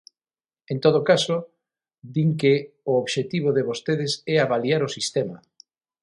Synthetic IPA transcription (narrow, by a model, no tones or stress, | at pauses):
ent̪oð̞okaso | d̪iŋkeooβʃet̪iβoðeβost̪eðɪsɛaβaliaɾʊsist̪ɛmɐ